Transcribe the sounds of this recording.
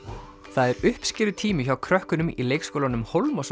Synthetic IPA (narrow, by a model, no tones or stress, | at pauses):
θaðɛɾʏhpscɪɾðʏt̪ʰiːmʏçawkʰɾœhkʏnʏmḭlejkskowlanʏmhowlmɔs